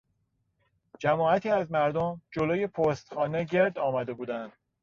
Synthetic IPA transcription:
d͡ʒæmɒːæt̪ʰiːæzmæɾd̪omd͡ʒoloːjepʰost̪xɒːneɟe̞ɾd̪ɒːmæd̪e̞buːd̪ænd̪̥

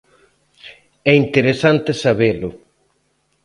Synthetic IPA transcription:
ɛint̪eɾesant̪esaβelʊ

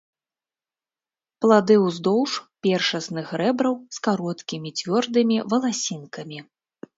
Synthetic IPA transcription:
plˠad̪ɨwzd̪ɔwʂpʲɛrʂɐsnɨxɾɛbɾɐwskaɾɔt̪kʲimʲit͡sʲvʲɔrd̪ɨmʲivɐlˠasʲinkɐmʲi

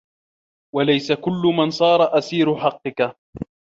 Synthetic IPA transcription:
walajsakʊlːʊmansˤɑːɾˤɑʔasiːɾʊħɑqːɨka

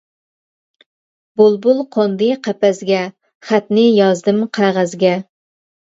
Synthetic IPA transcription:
bolˠbulˠqʰond̪ɨqʰæpɛzɡʲɛ | χæt̪nɪjɑzd̪ɨmqʰæʁæzɡʲɛ

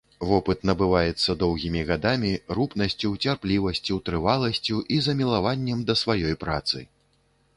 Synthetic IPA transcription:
vɔpɨt̪nɐbɨvajɛt̪sːɐd̪ɔwɣʲimʲiɣad̪amʲiɾupnɐsʲt͡sʲuwt͡sʲarplʲivɐsʲt͡sʲuwt̪ɾɨvalˠɐsʲt͡sʲuʔizɐmʲilˠavanʲːɛmd̪ɐsvajɔjpɾat̪sɨ̰

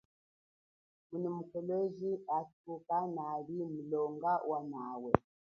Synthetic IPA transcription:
munɔmukɔlɔziatukanaβimulɔŋɡawanawɛ

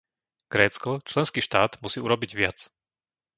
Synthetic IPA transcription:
ɡ̥ɾɛːt͡skɔt͡ʃlɛnskiːʃt̪aːd̪musiːuɾɔbiɟʋɪat͡s

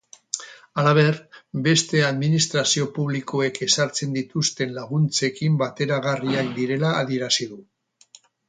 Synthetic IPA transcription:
alaβ̞e̞ɾbe̞st̪e̞aðminist̪ɾasio̞puβliko̞e̞ke̞saɾt͡se̞nd̪it̪ust̪e̞nlaɣunt͡se̞kimbat̪e̞ɾaɣ̞ariakd̪iɾe̞laːðie̞ɾasiðu

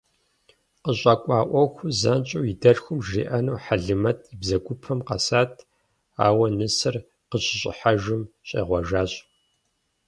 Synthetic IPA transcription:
qəɕʼɐkʷʼɑːʔʷɔxʷʊzɐnt͡ʃʼuwidɐrxʷʊmʒrḭːʔɐnuːħaɮɨmɐtʰibzɐɡʷʊpʰɐmqɐ̰saːtʰ | a̰ːwɐnɨsɨr | qəɕʼɪɕʼɪ̰ħaʒɨmɕʼḛːʁʷɔʒaːɕʼ

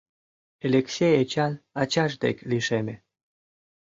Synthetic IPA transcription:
elʲeksʲejet͡ɕɑnat͡ɕɑʃd̪ḛkʲliʃemʲe

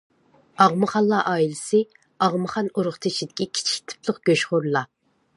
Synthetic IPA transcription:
ɑʁmɨχɑlˠːɑʔɑːilɪsɪ | ɑʁmɨχɑnoɾʊχt̪ʰeʃid̪ɪkʲikʲʰi̥t͡ʃʰi̥kʲt̪ʰɪ̥pʰlˠəqɡ̥ʲøʃχoɾlˠɑ

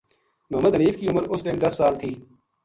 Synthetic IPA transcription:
mʊɦəməd̪ɦəniːfkiʊməɾʊslɪnd̪ɐsːaːlt̪ʰiː

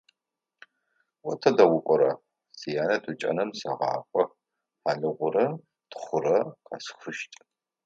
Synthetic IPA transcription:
wɔtʰɐdɐwʊkʷʼɔɾɐ | sijaːnɐtʰut͡ʃʼɐ̰nɐmsɐʁɑ̰ːqʷʼɔ | ħaɮɨʁʷʊɾɐ | tχʷʊɾɐqʰa̰ːsxʷʊʃtʼ

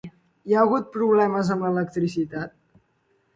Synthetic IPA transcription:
iaəɣut̪̚pɾuβlɛməzəmlələk̚t̪ɾisit̪at̪̚

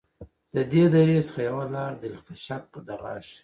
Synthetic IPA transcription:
d̪̥əd̪ed̪aɾesə̥xajawalɑːɾd̪ɪlxaʃak̚pəd̪aɣɑ̰ʃ

